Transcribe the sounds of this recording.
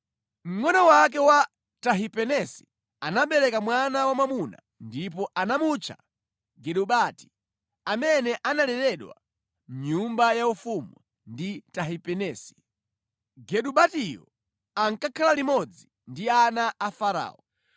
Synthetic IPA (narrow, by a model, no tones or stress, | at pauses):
m̩ŋɔnɔwak̬ɛwa | taɦipɛnɛsi̥ | anaɓɛɾɛkamwanawamamuna̰ | ndip̬ɔʔanamut͡ʃʰa̰ | ɡɛɗuɓati̥ | amɛnɛʔanalɛɾɛɗwa̰ | m̩ɲumbajaufumu | nditaɦipɛnɛːsi̥ | ɡɛɗuɓatijɔ̰ | aŋkakʰalalimɔd͡zi | ndianaafaɾa̰ːɔ